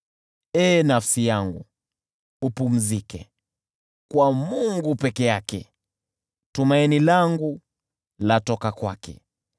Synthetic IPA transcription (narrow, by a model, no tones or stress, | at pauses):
ɛːnafsijaŋɡu | upum̩zikɛ̰ | kwamuŋɡupɛkɛjakɛ | tumainilaŋɡu | latɔkakwakɛ̰